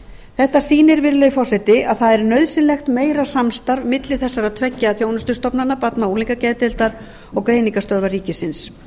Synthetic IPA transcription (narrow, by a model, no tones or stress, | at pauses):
θɛht̪asiːnɪɾvɪɾlœjfɔrsɛt̪ɪaðθaðɛɾnœɥðsɪnlɛxt̪meːjɾasamst̪aɾvmɪt̪lɪθɛsːaɾaðt̪ʰvɛcːaːðθjoːwnʏst̪ʏst̪ɔpnanːapat̪nauliŋkacɛðt̪ɪlt̪aɾ | ɔɣkɾeːjniŋkast̪œɾvaɾriːcɪsɪns